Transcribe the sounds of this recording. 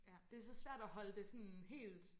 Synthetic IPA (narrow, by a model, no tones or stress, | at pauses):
d̥e̝æsɒ̽sʋæɐ̰d̥æhɒ̽ləd̥e̝sɒ̽nɦe̝̰ːld̥